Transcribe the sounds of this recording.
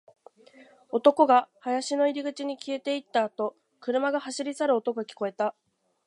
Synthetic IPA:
o̞t̪o̞ko̞ɡahajaɕino̞iɾʲiɡɯ̟t͡ɕiɲ̟ikʲie̞t̪e̞it̪ːaːt̪o̞ | kɯ̟ɾɯ̟maɡahaɕiɾʲisaɾɯ̟o̞t̪o̞koakʲi̥ko̞e̞t̪a

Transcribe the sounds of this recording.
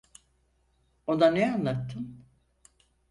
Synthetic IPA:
od̪aneanlˠat̪ʰːɯn

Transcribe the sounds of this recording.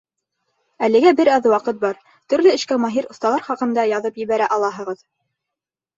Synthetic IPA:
ælɘ̆ɡæbɘɾɑðwɑqɤt̪̚bɑɾ | t̪ɵ̆ɾlɘɘ̆ʃkæmɑɦiɾŏθt̪ɑlˠɑɾχɑqɤ̆nd̪ɑjɑðɤpjɘ̆βæɾæʔɑlˠɑɦɤ̆ʁɤð

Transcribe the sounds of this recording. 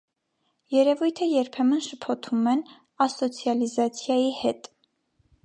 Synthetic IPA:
jɛɾɛvujt̪ʰəjɛɾpʰɛmənʃəpʰɔt̪ʰumɛn | ɑsɔt͡sʰjɑlizɑt͡sʰjɑjihɛt̪

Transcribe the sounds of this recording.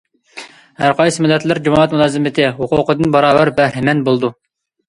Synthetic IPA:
hæɾqʰɑjsɨmɪlːɛt̪lɪɾd͡ʒumɑʁɛt̪mulˠɑːzɨmɪt̪ʰɪhuqʊqəd̪ɨnbɑɾɑːvæɾbæɾɦɪmɛnbolˠd̪u

